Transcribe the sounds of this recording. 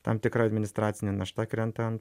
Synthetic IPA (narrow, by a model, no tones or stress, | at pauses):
t̪ɐmt̪ʲɪkɾɐɐd̪ʲmʲɪnʲɪst̪ɾɑːt̪sʲɪnʲenɐʃt̪ɐkɾʲɛnt̪ɐn